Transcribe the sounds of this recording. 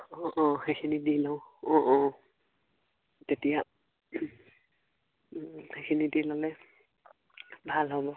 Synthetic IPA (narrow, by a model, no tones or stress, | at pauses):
ɔʔɔxekʰinidilɔʊɔʔɔ | tetija | xejkʰinidilɔlɛ | bʱalɦɔbɔ